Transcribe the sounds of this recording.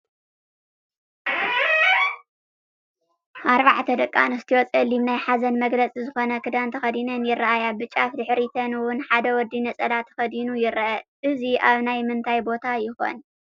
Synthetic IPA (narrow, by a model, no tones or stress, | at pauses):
ʔaɾβaʕt̪ʰɐd̪ɐkʼːa̰nɨst̪ʰiwɔt͡sʼɐlːimnajħazɐnmɐɡlɐt͡sʼizɨxo̞nɐkʰɨd̪ant̪ʰɐxɐd̪inɐnjɪrːaʔajabɨt͡ʃʼafd̪ɨħɾit̪ʰɐnwʊnħad̪ɐwɔd̪ːinɐt͡sʼɐd̪at̪ʰɐ̥xɐd̪inujɪɾɐʔɐʔɨziʔaβnajmɨnt̪ʰajbo̞t̪ʰajɪxo̞̰n